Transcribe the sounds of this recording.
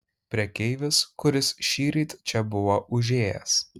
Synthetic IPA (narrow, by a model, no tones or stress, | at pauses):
pʲɾʲiɛkʲɛɪʋʲɪskʊɾʲɪsʃʲiːɾʲit̪t͡ʃʲɛbʊʋoʔʊʒʲeːjɛ̰s